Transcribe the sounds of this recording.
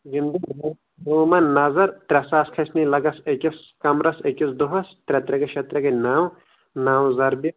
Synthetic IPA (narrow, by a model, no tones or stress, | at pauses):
ɡind̪ɐbɐ | oːmɐnnɐzɐɾt̪ɾʲɛsaːskʰɐsnilɐɡɐsekɐs | kɐmɾɐsekisd̪uɦɐst̪ɾʲɛt̪ɾɐkɐʃʰɐt̪ɾɐkɐnaːw | naːwzɐɾbi